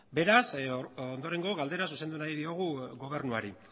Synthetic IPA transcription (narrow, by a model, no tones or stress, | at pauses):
be̞ɾasond̪o̞ɾe̞ŋɡo̞ɣald̪e̞ɾasuse̞nd̪unaiðio̞ɣ̞uɣo̞β̞e̞ɾnuaɾi